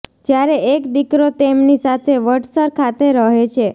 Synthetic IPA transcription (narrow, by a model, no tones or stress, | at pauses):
d͡ʒjaɾeʔekd̪ikɾot̪emnisat̪ʰeʋəʈsəɾkʰat̪eɾəɦet͡ʃʰe